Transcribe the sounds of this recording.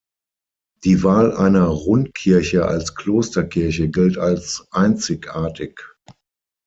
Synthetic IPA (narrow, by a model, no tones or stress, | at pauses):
d̥iːvaːlʔaɪnɐʁʊnt̚kʰɪɐçəa̰lskʰl̥oːstɐkʰɪɐç̬əɡɪltalsʔaɪnt͡sɪkʔaːɐtʰɪk